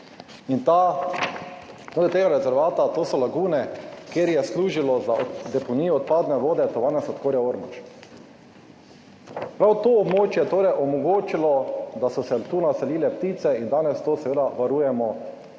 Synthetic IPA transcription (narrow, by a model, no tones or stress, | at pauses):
int̪a | t̪od̪ɛt̪eːɡaɾɛzɛɾʋaːt̪at̪oːsɔlaɡuːnɛkeɾjɛsluːʒilɔzad̪ɛpɔniːjɔːt̪̚paːd̪nɛʋoːd̪ɛt̪ɔʋaːnɛsɔt̪koːɾjaoɾmɔ̰t͡ʃ | pɾawt̪oːbmoːt͡ʃjɛt̪oːɾɛjʔɔmɔɡoːt͡ʃilɔd̪asɔsɛt̪unasɛliːlɛpt̪iːt̪sɛind̪aːnɛst̪oːsɛʋeːd̪aʋaɾuːjɛmɔ